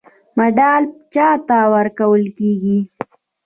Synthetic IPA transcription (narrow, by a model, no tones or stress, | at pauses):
maɖɑlt͡ʃɑt̪awəɾkawəlkeɡi